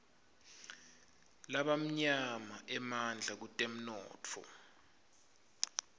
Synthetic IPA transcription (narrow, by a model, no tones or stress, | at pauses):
laɓam̩ɲamaʔɛmand͡ɮʱak̬utʼem̩nɔ̰ːt͡fʰɔ̰